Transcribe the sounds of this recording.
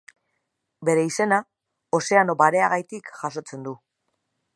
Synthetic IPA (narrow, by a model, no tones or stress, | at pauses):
be̞ɾe̞ise̞na | o̞se̞ano̞baɾe̞aɣajt̪ikʝaso̞t͡se̞nd̪u